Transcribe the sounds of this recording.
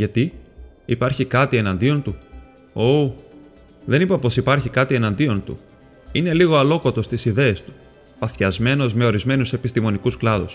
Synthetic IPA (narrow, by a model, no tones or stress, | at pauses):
ʝɐt̪i | ipɐɾçikɐt̪ie̞nɐnd̪io̞nt̪u | o | ðe̞nipɐpo̞sipɐɾçikɐt̪ie̞nɐnd̪io̞nt̪ṵ | ine̞liɣo̞ɐlo̞ko̞t̪o̞st̪isiðe̞ːst̪u̥ | pɐθçɐzme̞no̞zme̞o̞ɾizme̞nuse̞pist̪imo̞nikusklɐðṵs